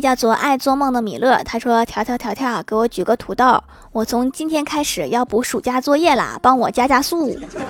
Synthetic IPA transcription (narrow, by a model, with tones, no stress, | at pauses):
t͡ɕjɑ˥˧ʊt͡swɔ˥˧ʔa˥˧ɪt͡swɔ˥˧mɤ˥˩ŋd̪ə˩mḭ˨˩lɤ˥˩t̪ʰa˥ʂwɔ˥t̪ʰjɑ˧˥t̪jɑ˧˥ʊjɑ˧˥t̪ʰjɑ˥˩ʊ˩ke˧˥ɪwɔ˧˥t͡ɕy˨˩ɡə˧˥t̪ʰu˧˥t̪ɑ˥˩ʊ | wɔ˨˩t͡sʰʊ˧˥ŋt͡ɕi˥nt̪ʰjɛ˥nkʰa˥ɪʂɻ̩˨˩jɑ˥˩ʊpu˧˥ʂu˨˩t͡ɕja˥t͡swɔ˥˧jɛ˥˩lə̰˨˩pɑ˥ŋwɔ˨˩t͡ɕja˥t͡ɕja˥su˥˩˨